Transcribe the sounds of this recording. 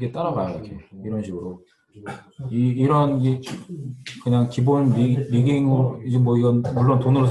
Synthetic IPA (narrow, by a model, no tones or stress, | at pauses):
ɡet͈aɾaɡajoikʰe̞iɾʌnɕʰiɡɯɾo | iːɾʌne | kɯɲaŋkibonɾiɾiɡiŋɯɾid͡ʑemwʌiɡʌnmuɭːontonɯɾosʰ